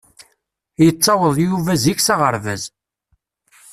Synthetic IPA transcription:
jət͡sˤːɑwəðˤjuvæziçsɑʁəɾvæz

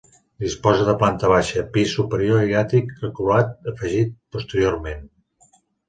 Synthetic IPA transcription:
d̪ispɔzəðəplant̪əβ̞aʃəpisːupəɾioiɣat̪ikrəkulat̪̚əfəʒit̪̚pust̪əɾioɾmen

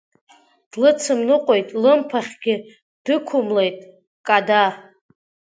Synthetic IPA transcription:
d̥lɨt͡sʰɨmnɨqʷʼojtʼlɨmpʰaχʲɡʲɪ | d̥ɨkʷʰʊmlejtʼ | kʼada

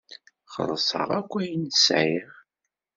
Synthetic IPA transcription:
χə̰ðˤsˤə̰ʁækʷːæjənsʕiʁ

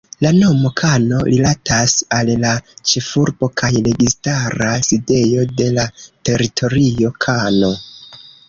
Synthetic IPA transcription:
lano̞mo̞kʰano̞ɾilatʰasallat͡ʃe̞fuɾbo̞kʰajle̞ɡistaɾaside̞jo̞de̞late̞ɾitʰo̞ɾio̞kʰano̞

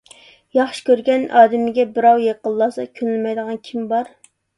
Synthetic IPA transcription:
jɑχʃɪ̥kʲʰøɾɡʲɛnʔɑːd̪ɪmɪɡʲɛbɪɾɑwjeqəlˠːɑːsɑ̰kʲʰynlɪmɛjd̪əʁɑnkʲʰimbɑɾ

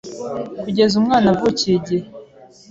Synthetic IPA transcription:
kuɟe̞zumŋaːnavuceɟe

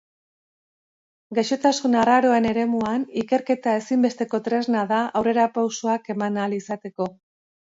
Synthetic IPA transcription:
ɡajʃo̞t̪asunaraɾo̞e̞ne̞ɾe̞muanike̞ɾke̞t̪ae̞simbe̞st̪e̞ko̞t̪ɾe̞znaðaʔawre̞ɾapawsoake̞manalisat̪e̞ko̞

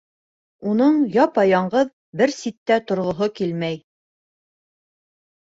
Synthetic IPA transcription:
unɤɴjɑpɑjɑɴɢɤð | bɘɾsit̪ːæt̪ŏɾʁŏɦokilmæj

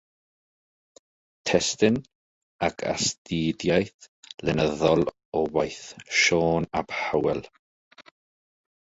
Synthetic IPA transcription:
tʰɛstɪn | akʰa̰stiːdjajθlɛnəðɔlˠ | ɔwajθʃɔːnab̥hawɛlˠ

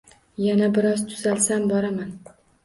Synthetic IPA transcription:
janabɪɾɒzt̪ʰʊz̥alsambɒɾaman

